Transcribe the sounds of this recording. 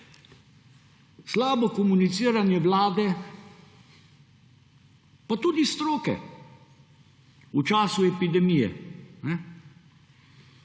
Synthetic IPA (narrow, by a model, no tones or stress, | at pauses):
slaːbɔkɔmunit̪siːɾanjɛʋlaːd̪ɛ | pat̪uːd̪ist̪ɾoːkɛ̰ | ut͡ʃaːsuɛpid̪ɛmijɛ̰nɛ